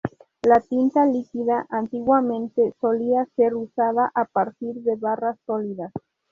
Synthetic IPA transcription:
lat̪int̪alikiðaʔant̪iɣwamẽ̞nt̪eso̞liase̞ɾusaðaʔapaɾt̪iɾðe̞βarasːoliðas

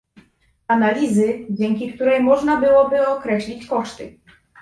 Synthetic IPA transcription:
analʲizɘd͡ʑɛŋkʲikt̪uɾɛjmɔʐnabɘwɔbɘɔkɾɛɕlʲit͡ɕkɔʂt̪ɘ̰

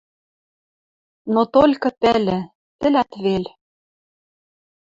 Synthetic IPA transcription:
not̪olʲkɤ̆pɘlɘ̆ | t̪ɘ̆læt̪βel

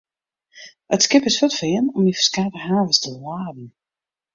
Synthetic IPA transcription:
ətskɪpɪsfɔtfɪːənɔmifə̥skaːtəhaːvəstəlwaːdn̩

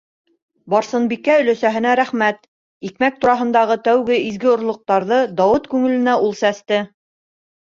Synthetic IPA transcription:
bɑɾsɤ̆nbikːæɵ̆læsæɦɘ̆næɾæχmæt̪ | ikmæk̚t̪uɾɑɦɤ̆nd̪ɑʁɤt̪æwɡɘizɡɘŏɾlˠŏq̚t̪ɑɾðɤd̪ɑwɤt̪kʉŋɘ̆lɘ̆næʔulˠsæst̪ɘ

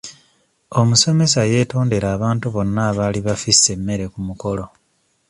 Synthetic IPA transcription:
o̞muso̞me̞saje̞ːto̞ːnde̞ɾaːβaːntuβo̞nːaːβaːliβafisːe̞mːe̞ɾe̞kumuko̞lo̞

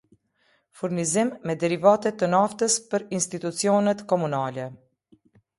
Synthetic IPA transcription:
fuɾnizimːɛd̪ɛɾivat̪ɛt̪ənaft̪əspəɾinst̪it̪ut͡siɔnɛt̪kɔmunalɛ

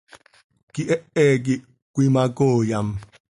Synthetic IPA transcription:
kiʔɛʔɛːk̬i | kʷimakoːjam

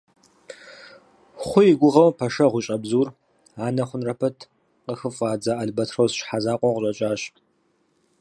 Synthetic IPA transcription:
χʷʊjɪɡʷʊʁɐwpʰɐʃɐʁʷʊt͡ʃʼɐbzuːr | aːnɐχʷʊnrɐpʰɐtʰ | qəxɨfʼaːd͡zaːʔɐɮbɐtʰrɐwsʃħazaːqʷʼɔʁʊɕʼɐt͡ʃʼaːɕ

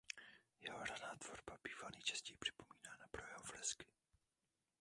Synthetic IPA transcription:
jɛɦoradaːt̪v̥oɾbabiːvalniːt͡ʃɛscɛjpr̝̥ɪ̥po̞miːnaːnapɾojɛɦoflɛskɪ̥

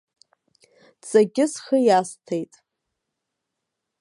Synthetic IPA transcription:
t͡sʼaɡʲɪsχəjastʰejtʼ

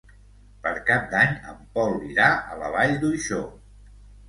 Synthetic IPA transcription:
pəɾkap̚d̪aɲə̰mpɔlˠːiɾaʔə̰ləβaʎd̪uiʃo

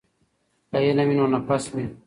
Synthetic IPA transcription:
ɐjenɐminonapɐsme

